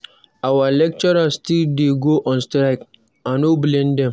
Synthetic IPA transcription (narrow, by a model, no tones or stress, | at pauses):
awalɛk̚t͡ʃɔɾastildeɡoʔɔ̃nstɾaɪk | ãnoblẽndɛ̃m